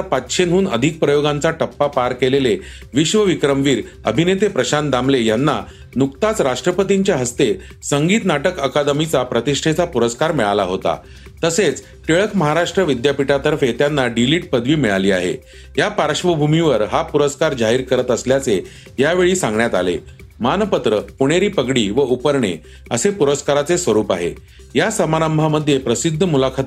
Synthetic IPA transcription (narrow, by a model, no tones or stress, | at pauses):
pat̪ːɕenɦuːnəd̪ʱik̚pɾəjoɡãnt͡saʈəpːapaɾkelele | ʋiɕʋəʋikɾəmʋiːɾ | əbʱinet̪epɾəɕand̪amlejanːa | nukt̪at͡sɾaʂʈɾəpət̪iɲt͡ɕjaɦəst̪e | səŋɡiːt̪naʈəkəkad̪mit͡sapɾət̪iʂʈʰet͡sapuɾəskaɾmiɭalaɦot̪a̰ | t̪əset͡s | ʈeɭəkməɦaɾaʂʈɾəʋid̪japiʈat̪əɾfet̪janːaɖiliːʈ̚pəd̪ʱʋiːmiɭaliːa̰ɦḛ | japaɾʂʋəbʱumiʋəɾɦapuɾəskaɾd͡ʑaɦiːɾkəɾət̪əsljat͡se | jaʋeɭiːsãŋɡɳjat̪alḛ | manpət̪ɾəpuɽ̃eɾiːpəɡɽiːʋəupəɾɳe | əsepuɾəskaɾat͡sesʋəɾuːpaɦḛ | jasəmaɾəmbʱaməd̪ʱːjepɾəsid̪ʱːəmulakʰat̪